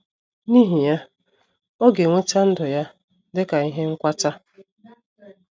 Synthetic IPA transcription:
ni˦ɦi˨ja˦ | ɔ˦ɡe˨ŋʷe˦ta˦n̩˦dʊ˨ja˦ | dɪ˦ka˨i˦ɦe˦ŋ̩˦kʷa˦ta˦

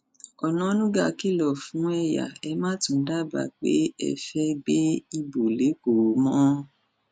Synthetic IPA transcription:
ɔ˨nɔ̃˨˦nũ˦ɡa˦˨ki˦˨lɔ˨fũ˨˦ɛ˧ja̰˨ɛ˧˦mã˦tũ˨˧n̩˦da˦ba̰˨k͡pḛ˦ɛ̰˧fɛ˦ɡ͡be˦i˧bo˨le˨˦ko˨˦mɔ̃˦

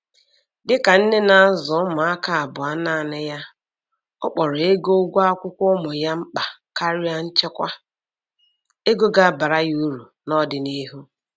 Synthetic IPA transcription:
dɪ˦ka˨n̩˦ne˦na˨a˦zʊ˨˦mʊ˨a˦ka˦a˨bʊ˨a˦na˦˨nɪ˦ja˦ | ɔ̰˦k͡pɔ˨ɾʊ˨e˦ɡo˦ɡʷa˦a˦kʷʊ˦kʷʊ˦mʊ˨ja˦ŋ͡m̩˦k͡pa˨ka˦ɾɪ˦a˦n̩˦t͡ʃe˦kʷa˦ | e˦ɡo˦ɡa˨ba˨ɾa˦ju˦ɾu˨ | nɔ˦dɪ˨ni˦ɦu˦

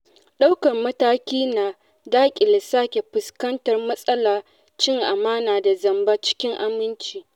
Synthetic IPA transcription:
ɗa˦wkɐ˨rmɐ˦taː˦kʲiː˦naː˨ | daː˦kʲʼɪ˨lɪ˨saː˦kʲe˨ɸʊ˨skɐ˦ntɐ˨rmɐ˦sʼɐ˦laː˨ | t͡ʃɪ˦ŋʔa˨maː˦naː˨da˨zɐ˨mba˦t͡ʃɪ̥˦kʲɪ˦ŋʔa˨mɪ˦nt͡ʃiː˨

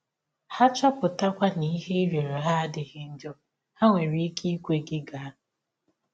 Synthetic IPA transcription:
ha˦t͡ʃɔ˦pʊ˨ta˦kʷa˦ni˦ɦe˦i˦ɾe˨ɾe˨ɦa˦dɪ˨ɦɪ˦n̩˦d͡ʒɔ˦ | ha˦ŋʷe˨ɾi˦kʰi˦kʷe˦ɡɪ˦ɡa˨˦˨

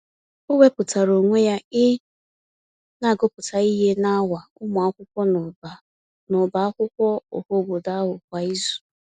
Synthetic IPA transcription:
ʊ˦we˦pʊ˨ta˨ɾo˨ŋʷe˦ja˦ɪ˦ | na˨ɡo˦pʊ˨ta˨i˦ɦe˦na˦wa˨ʊ˦mʊ˨a˦kʷʊ˦kʷɔ˦n˨a˨ | nʊ˨ba˨a˦kʷʊ˦kʷɔ˦ʊ̰˨ho˦ɡo˨da˦ɦʊ˨kʷa˨i˦zu̥˨

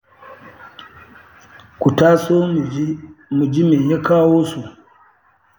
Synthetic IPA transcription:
ku˨taː˦soː˦˨˦mu˨d͡ʒi˦meː˨ja˦kaː˦woː˦so˨

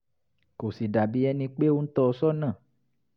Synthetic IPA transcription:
ko˨si˨da˨bi˦ɛ˧˦nĩ˧k͡pe˦wo˧n̩˦t̪ɔ˦˧sɔ˦nã˦˨

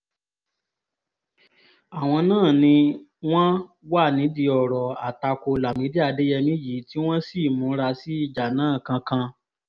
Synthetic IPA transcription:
a˨w̃ɔ̃˧nãː˦˨nĩ˧w̃ɔ̃˦wa˦˨nĩ˨˦di˧ɔ˨ɾɔ˨a˨ta˧ko˧la˨mĩ˨˦di˦a˦˧de˦jɛ˧mĩ˦ji˨˦ti˦w̃ɔ̃˦si˦˨mũ˨˦ɾa˧si˨˦i˦˨d͡ʒa˨nãː˨˦˨kã˧kã˧

